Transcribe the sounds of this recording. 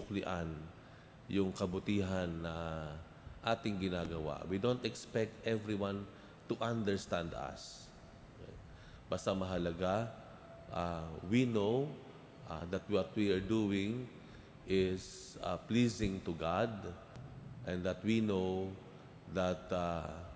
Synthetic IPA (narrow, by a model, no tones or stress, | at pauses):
ʊklɪʔan | jʊŋkɐbʊt̪iːɦɐnːɐ | ʔaːt̪ɪŋɡɪnaːɡɐwa̰ʔwid̪ownt̪ɛkspɛk̚t̪ʔɛvɹiwãn | t̪uʔãnd̪ɛɹst̪ãnd̪ɐ̰s | b̥ast̪ɐmɐɦɐlɐɡa | ʔawinow | ʔa̰ðɐt̪̚wɔt̪̚wiaɹd̪uwɪŋ | ʔɪs | a̰pliːsɪ̃ŋt̪ʊɡad̪̚ | ʔɛ̃nd̪ɐt̪̚wino | ðɐt̪̚a